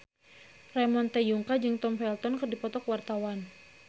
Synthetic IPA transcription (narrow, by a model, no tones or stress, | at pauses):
rɛmɔnt̪ɛjuŋkad͡ʒɨŋt̪ɔmfɛlt̪ɔnkɨrdipɔt̪ɔkwart̪awan